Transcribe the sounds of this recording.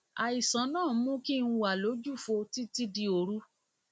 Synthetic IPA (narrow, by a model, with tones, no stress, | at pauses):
a˨i˨sã˨˦nãː˦˨˦mũ˦kĩ˦˧˦wa˨lo˨˦d͡ʒu˦˨fo˧ti˦ti˦di˧o˧ɾu˦